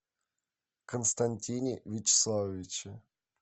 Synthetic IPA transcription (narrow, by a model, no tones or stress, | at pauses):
kənst̪ɐnʲtʲinʲɪvʲɪt͡ɕɪ̥slˠavʲɪt͡ɕɪ